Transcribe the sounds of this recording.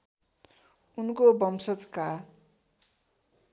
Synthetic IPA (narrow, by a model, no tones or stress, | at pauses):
unkobʌmsʌt͡ska